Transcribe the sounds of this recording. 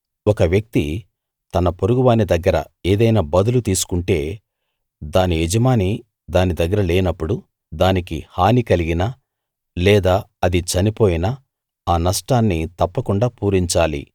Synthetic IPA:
ɔkɐʋjɐk̚t̪i | t̪ɐnɐpo̞ɾuɡuʋaːnid̪ɐɡːɐɾɐ̰ | eːd̪ɐjnaːbɐd̪ulut̪iːsu̥kuɳʈe̞ː | d̪aːniɛd͡ʒɐmaːni | d̪aːnid̪ɐɡːɐɾɐleːnɐpːuɽu | d̪aːnikḭhaːnikɐliɡina | lɛːd̪aːɐd̪it͡ʃɐnipo̞ːjina | aːnɐsʈaːnːit̪ɐpːɐkuɳɖaːpuːɾiɲt͡ʃaːlḭ

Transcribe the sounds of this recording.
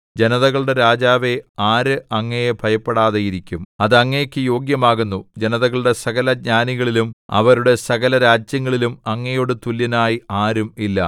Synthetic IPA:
d͡ʑenɐðɐɣɐɭuɽe̞ɾaːd͡ʑaːʋe̞aːɾɨʔɐŋːɐjebʱɐjɐpːeɽaːðɐjiɾikʲːumɐðɐŋːejkʲːɨjo̞ːɡjɐmaːɣunːud͡ʑe̞nɐðɐɣɐɭuɽe̞sɐɣɐlɐɲaːniɣɐɭilumɐ̰ʋɐɾuɽe̞sɐɣɐlɐɾaːd͡ʑjɐŋːɐɭilumɐŋːɐjoːɽɨt̪uljɐnaːjiaːɾumilːɐ̰

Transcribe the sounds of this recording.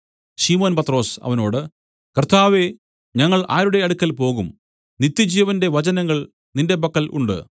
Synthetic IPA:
ɕimo̞ːnpɐt̪ro̞ːsɐ̰ʋɐno̞ːɽɨ | kɐrt̪ʰaːʋe̞ | ɲɐŋːɐɭaːɾuɽe̞ɐɽukʲːɐlpo̞ːɣum | nit̪ːɐd͡ʑijɐʋɐnde̞ʋɐt͡ɕɐnɐŋːɐɭ | ninde̞bɐkːɐlʔṵɳɖɨ̰

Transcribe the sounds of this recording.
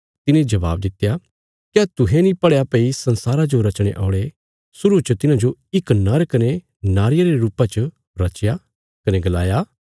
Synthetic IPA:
t̪ɪnẽd͡ʒɐʋa̰ːb̚d̪ɪt̪ja | kjat̪ʊɦẽnĩpɐɽjapeisɐ̃nsaːɾad͡ʒoɾɐt͡ʃɽ̃ḛʔa̰ːʊɽe | sʊɾut͡ʃət̪ɪnãd͡ʒoɪknɐɾkɐne | naːɾɪjaɾeɾuːpat͡ʃə | ɾɐt͡ʃja | kɐneɡɐlaːja

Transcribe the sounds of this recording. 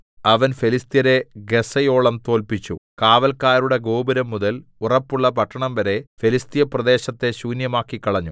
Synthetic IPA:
ɐʋɐnfelist̪ijɐɾe̞ɡe̞sɐjo̞ːɭɐmt̪o̞ːlpit͡ɕːṵkaːʋɐlkaːɾuɽe̞ɡo̞ːbɐɾɐmːuðɐlurɐpːuɭːɐpɐʈʰːɐɳɐmʋɐɾe̞felist̪ijɐprɐd̪e̞ːɕɐt̪ːe̞ɕuːnjɐmaːkːikːɐɭɐɲːu

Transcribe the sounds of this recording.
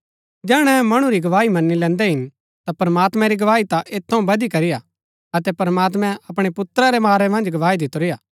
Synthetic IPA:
d͡ʒɛːɽ̃ɛ̃mɐɽ̃ũɾiɡɐʋaːimɐnːilɛ̃ːnd̪ɛɦɪn | t̪apɐɾɐmaːt̪mɛ̃ɾiɡɐʋaːit̪aʔeːt̪ʰːɐũbɐd̪ikɐɾɪja | ɐt̪ɛpɐɾmaːt̪mɛ̃ɐpɽ̃epʊt̪ɾaɾemaːɾɛmɐ̃nd͡ʒɡɐʋaːid̪ɪt̪oɾɪjaː

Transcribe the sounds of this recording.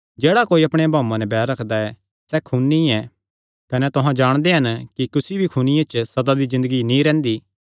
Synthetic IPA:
d͡ʒɛːɽakoːiɐpɽ̃ebʱaːmãnɛbɛːɾɾɐkʰd̪aɛ | sɛkʰuːnːĩɛ | kɐnɛt̪ʊɦãd͡ʒaːɽ̃d̪eɦɐnkikʊsibʱikʰunɪjãt͡ʃsɐd̪ad̪izɪ̃nd̪əɡinĩɾɛ̃ːnd̪i

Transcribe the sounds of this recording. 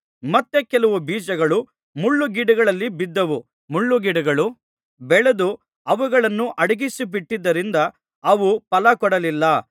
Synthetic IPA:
mɐt̪ːekɛlɐʋubiːd͡ʒɐɡɐɭu | muɭːuɡiɽɐɡɐɭɐlːibid̪ːɐʋu | muɭːuɡiɽɐɡɐɭu | bɛɭed̪u | ɐʋuɡɐɭɐnːuʔɐɽɐɡisibiʈːid̪ːɐɾind̪ɐː | ʋupɐlɐkɔɽɐlilːɐ

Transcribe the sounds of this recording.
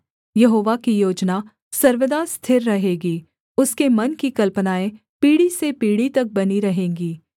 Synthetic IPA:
jɐɦoːʋakijoːd͡ʒna | sɐɾʋəd̪aːst̪ʰɪɾːɐɦeːɡiː | ʊskemɐnkikɐlpənaːẽ | piːɽisepiːɽit̪ɐk̚bɐniɾɐɦẽːŋɡiː

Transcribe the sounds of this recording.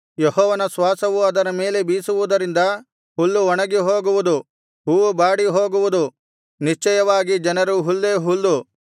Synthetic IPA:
jehɔːʋɐnɐsʋaːsɐʋuɐd̪ɐɾɐme̞ːle̞biːsuʋud̪ɐɾind̪ɐ | hulːuɔɳɐɡiɦoːɡuʋud̪u | ɦuːʋubaːɽiɦoːɡuʋud̪u | niʃt͡ʃɛjɐʋaːɡid͡ʒɐnɐɾuɦulːeːɦulːu

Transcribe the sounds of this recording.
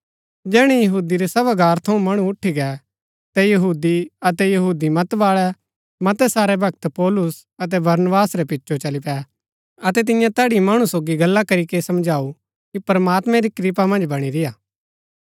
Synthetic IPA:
d͡ʒɛːɽ̃ɛjɐɦuːd̪iɾɛsɐβaɡaːɾt̪ʰɐũmɐɽ̃ũʊʈʰːiɡɛ | t̪ɛjɐɦuːd̪iɐt̪ɛjɐɦuːd̪imɐt̪ʋaːɭɛ | mɐt̪ɛsaːɾɛbʱɐk̚t̪pɔːlʊs | ɐt̪̬ɛbɐɾnəbaːsɾɛpɪtːʃʰot͡ʃɐlipɛː | ɐt̪ɛt̪̬ɪjãt̪ɛːɽimaːɽ̃usoːɡiɡɐlːakɐɾikesɐmd͡ʒʱaːu | kipɐɾmaːt̪mɛ̃ɾikɾip̬amɐ̃nd͡ʒbɐɽ̃iɾɪjaː

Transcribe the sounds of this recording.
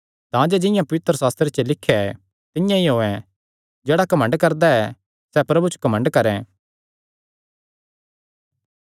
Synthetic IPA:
t̪ãd͡ʒed͡ʒɪ̃jãpɐʋɪt̪ɾəsaːst̪ɾet͡ʃelɪkʰːaɛ | t̪ɪjãiɦoːɛ̃ | d͡ʒɛːɽakɐmə̃ɳɖkɐɾd̪aɛ | sɛpɾɐbut͡ʃkɐmə̃ɳɖkɐɾɛ̃

